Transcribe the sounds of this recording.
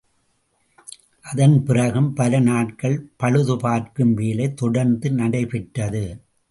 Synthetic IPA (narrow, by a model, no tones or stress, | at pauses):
ʔɐðɐnpɪrɐɣɯmpɐlɐnaːʈ̚kɐɭpɐɻɯðɯpaːɾkɯmʋeːlɐɪt̪ɔɽɐɾnd̪ɯnɐɽɐɪpɪʈːɐðɯ